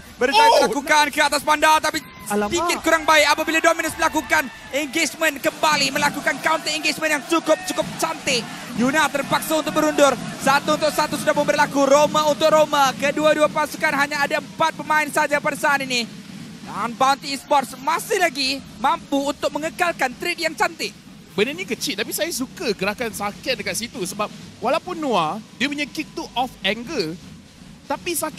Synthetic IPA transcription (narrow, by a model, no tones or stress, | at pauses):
bəɾialakukankəat̪aspandat̪api | sədikɪt̪̚kuɾaŋbaɪk̚apabiladominʊsməlakukan | ɛŋɡet͡ʃmənkəmbaliməlakukankaunt̪əiŋɡet͡ʃmənjaŋt͡ʃukʊp̚t͡ʃukʊp̚t͡ʃant̪ɪ | junat̪ərpaksaunt̪ʊk̚bəɾundʊrsat̪uːnt̪ʊk̚sat̪usudahməmbəɾlakuɾomaunt̪ʊk̚romakəduaduapasukanɦaɲaːdaəmpat̪̚pəmaɪnsad͡ʒapadasaːnini | anbawnt̪ispɔrsmasɪhlaɡimãmpuːnt̪ʊk̚məŋəkalkant̪ɾit̪̚jaŋt͡ʃant̪ɪʔ̚ | bənənikət͡ʃit̪̚ap̬isajas̬ukəɡəɾakansakɪt̪̚dəkat̪̚sit̪usəbap̚walaupʊnːũadiəməɲəkɪt̚t̪uʔɔfɛŋɡə | t̪apisakɪ